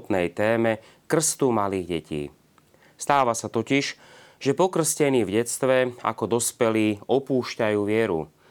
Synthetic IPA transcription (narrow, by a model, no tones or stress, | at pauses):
t̪nɛjt̪ɛːmɛ | kr̩st̪umaliːɣɟɛcḭː | st̪aːʋasat̪ɔciʃ | ʒ̥ɛpɔkr̩scɛniːvɟɛt͡st̪ʋɛa̰kɔd̪ɔspɛliːɔpuːʃcajuːʋɪɛɾṵ